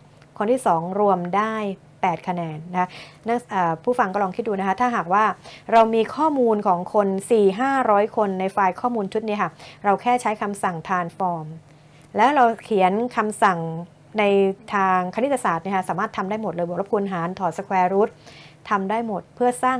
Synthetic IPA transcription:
kʰo˧nt̪ʰiː˥˩sɔː˩˦ŋɾu˧əmdaː˥˩j | pɛː˨˩t̪̚kʰa˧nɛː˧nːa˦˥kʰa˦˥na˥˩ʔaː˨˩pʰuː˥˩fa˧ŋkɔː˥˩lɔː˧kʰi˦˥t̪̚duː˧na˦˥kʰa˦˥t̪ʰaː˥˩ɦaː˨˩k̚waː˥˩ɾa˧wmiː˧kʰɔː˥˩muː˧nkʰɔː˩˦ŋkʰo˧nsiː˨˩ɦaː˥˩ɾɔː˦˥jkʰo˧nːa˧jfaː˧jkʰɔː˥˩muː˧nt͡ɕʰu˦˥t̪̚ni˦˥kʰa˥˩ɾa˧wkʰɛː˥˩t͡ɕʰa˦˥jkʰa˧msa˨˩ŋt̪ʰaː˧nfɔː˧m | lɛː˦˥wɾa˧wkʰi˨˩˦ənkʰa˧msa˨˩ŋ | na˧jt̪ʰaː˧ŋkʰa˧ni˦˥t̪ʰːa˧saː˨˩t̪̚ni˥˩kʰa˥saː˩˦maː˥˩t̪ʰːa˧mdaː˥˩jmo˨˩t̪̚lɤː˧jbɔ˨˩k̚la˥˩kʰuː˧nɦaː˩˦nt̪ʰɔː˨˩t̪sa˧kʰwɛː˧ɾu˦˥t̪̚ʰa˧mdaː˥˩jmo˨˩t̪̚pʰɯ˥˩ɐsaː˥˩ŋ

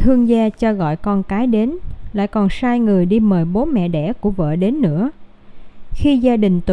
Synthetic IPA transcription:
t̪ʰɨ˧əŋzaː˧t͡ɕɔ˧ɣɔ̰˧˨jkɔ˧nkaː˨˦jɗe˨˦nla̰ː˧˨jkɔ˨˩nsaː˧jŋɨ˨˩əjɗi˧məː˨˩jɓo˨˦mɛ̰˧˨ɗɛ̰˧˩ku˧˩əvə̰ː˧˨ɗe˨˦nːɨ̰˧˥ə | xi˧zaː˧ɗï˨˩ŋ̟t̪

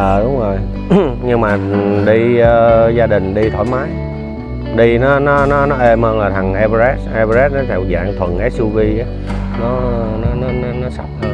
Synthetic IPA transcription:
ʔəː˨˩ɗʊ˨˦wŋ͡mzo˨˩j | ɲɨ˧ŋmaː˨˩˨ɗi˧əː˧zaː˧ɗï˨˩ŋ̟ɗi˧t̪ʰɔ̰˧˩jmaː˨˦j | ɗi˧nɔ˨˦nɔ˨˦nɔ˨˦nɔ˨˦ʔe˧mhəː˧nlaː˨˩t̪ʰa˨˩ŋʔa˧bzɛ˦˥t̚ʔa˧pa˧zɛ˦˥t̚nɔ˨˦t̪ʰɛ˧˩wza̰ː˧˨ŋt̪ʰwə˨˩nʔɛ˨˦˥su˧vi˧ʔaː˨˦ | nɔ˨˦nɔ˨˦nɔ˨˦nɔ˨˦nɔ˨˦sa̰˨˩p̚

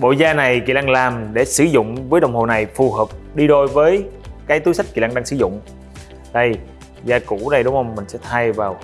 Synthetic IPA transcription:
ɓo̰˧˨zaː˧na˨˩jkḭ˨˧˨laː˧ŋlaː˨˩mɗe˧˩sɨ˧˦zʊ̰˧˨ŋ͡mvəː˨˦jɗə˨˩wŋ͡mho˨˩na˨˩jfu˨˩həː˨˩p̚ɗi˧ɗo˧jvəː˨˦jkaː˨˦jt̪u˨˦jsa˦˥k̚ki˨laː˧ŋɗaː˧ŋsɨ˧˩zʊ̰˧˨ŋ͡m | ɗə˧˩j | zaː˧kṵ˧˩˥ɗə˨˩jɗʊ˨˦ŋ͡mhə˧wŋ͡mmːï˨˩ŋ̟sɛ̰˧˥t̪ʰaː˧jvaː˨˩w

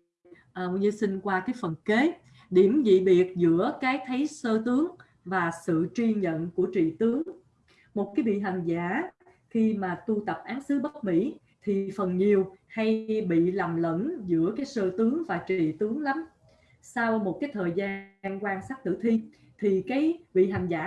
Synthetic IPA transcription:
ʔːɲɨ˧sï˧ŋ̟kwaː˧kaː˨˦jfə˨˩nke˨˦ | ɗi˧˩əmzḭ˧˨ɓi˨˩ət̚zɨ̰˧˥əkaː˨˦jt̪ʰə˨˦jsəː˧t̪ɨ˨˦əŋ | vaː˨˩sɨ̰˧˨t͡ɕwi˧ɲə̰˧˨nku˧˩ət͡ɕḭ˧˨t̪ɨ˨˦əŋ | mo˨˩t̚kaː˨˦jɓḭ˧˨ɦa˨˩ŋzaː˧˩˥ | xi˧maː˨˩t̪u˧t̪ə˨˩p̚ʔaː˨˦nsɨ˨˦ɓə˦˥t̚mḭ˧˥ | t̪ʰi˨˩fə˨˩nɲi˨˩əwha˧jɓḭ˧˨la˨˩mlə̰˧˥nzɨ̰˧˥əkaː˨˦jsəː˧t̪ɨ˨˦əŋvaː˨˩t͡ɕḭ˧˨t̪ɨ˨˦əŋla˨˦m | sa˧wmo˨˩t̚kaː˨˦jt̪ʰəː˨˩jzaː˧nkwaː˧nsaː˦˥k̚t̪ɨ̰˧˥t̪ʰi˧ | t̪ʰi˨˩kaː˨˦jvḭ˧˨ɦa˨˩ŋzaː˧˥

